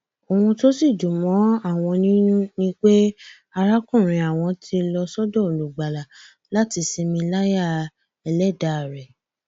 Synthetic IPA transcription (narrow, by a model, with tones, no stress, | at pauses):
o˨wũ˧to˦si˦˨d͡ʒu˨mɔ̃˨˦a˦˨w̃ɔ̃˧nĩ˦nũ˦nĩ˦k͡pe˦ | a˧ɾa˦kũ˦˨ɾ̃ĩ˧a˨w̃ɔ̃˧tʰi˧lɔ˧sɔ˦dɔ˦o˨lu˨ɡ͡ba˨la˨ | la˦ti˧se˧mĩ˧la˦ja˦˨ | ɛ˧lɛ˦˨da˨ɾɛ˨